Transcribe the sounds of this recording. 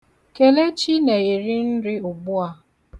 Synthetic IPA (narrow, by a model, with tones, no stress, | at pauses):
ke˨le˦t͡ʃi˦ne˨i˨ɾi˦n̩˦ɾɪ˦ʊ˨ɡ͡bʊ˦a˦